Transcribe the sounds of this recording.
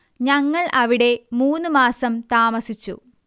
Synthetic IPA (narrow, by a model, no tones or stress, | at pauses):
ɲɐŋːɐɭʔɐʋiɽe̞muːnːɨmaːsɐmt̪aːmɐsit͡ɕːṵ